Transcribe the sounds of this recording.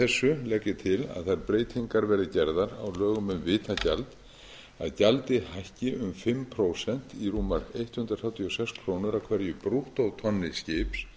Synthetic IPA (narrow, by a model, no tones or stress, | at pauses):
θɛsːʏlɛkːɪt̪ʰɪla̰ðθajɾpɾeːjt̪hiŋkaɾvɛːɾɪcɛɾðaɾawlœːɣʏmʏmvɪːt̪ʰacalt̪ | a̰ðcalt̪ɪhajhcɪʔʏmfɪmːpʰɾoːwsɛn̥t̪iruːmːaɾejht̪hʏnd̪ɾaθawt̪ʰiɔsɛkskʰɾoːwnʏɾawkʰvɛɾjʏpɾuht̪ɔwt̪ʰɔnːɪscɪːps